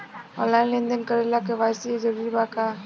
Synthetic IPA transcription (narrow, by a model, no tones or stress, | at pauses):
ɔ̰̃nlaɪnlẽnd̪ənkəɾelakeʋasid͡ʒəɾiɾbaka